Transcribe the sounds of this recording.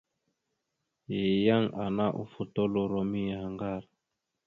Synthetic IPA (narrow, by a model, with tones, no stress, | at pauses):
je˨ja˦ŋa˨na˦ʔṵ˨fu˨to˦lo˦ɾo˨mi˦ja˨a˨ŋɡa˦˨ɾ